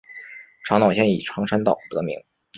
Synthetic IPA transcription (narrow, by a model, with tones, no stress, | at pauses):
ʈ͡ʂʰɑ˧˥ŋnɑ˨˩ʊɕʰjɛ˥nḭ˨˩ʈ͡ʂʰɑ˧˥ŋʈ͡ʂʰa˥nt̪ɑ˥˨˩ʊt̪ɤ̰˧˥mḭ˧˥ŋ